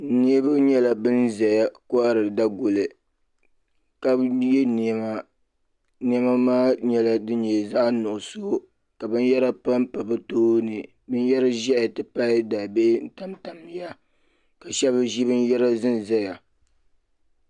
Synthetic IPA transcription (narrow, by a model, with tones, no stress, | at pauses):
ni˦e˦bɨ˦ɲɛ˦la˨bɨ˦nza˨ja˨ko˦a˦ɾɨ˨da˦ɡo˨lɨ˨ | ka˦bjɛ˦n˨ma˦˨ | ni˦ɛ˦ma˦maː˦ɲɛ˦la˨dɨ˦ɲɛ˨za˦ʔnʊ˨ʔʊ˨so˦ | ka˨bɨ˦n˦jɛ˦ɾa˦pa˦mpa˨bɨ˦toː˦nɨ˨ | bɨ˦n˦jɛ˦ɾa˦ʒɛ˦ʔtɨ˦pa˦da˨be˦n̩˦ta˦mta˨mːi˨˦ja˦ | ka˨ʃɛ˦βɨ˦ʒi˦bɨ˦n˦jɛ˦ɾa˦zɨ˦n˨za˦ja˨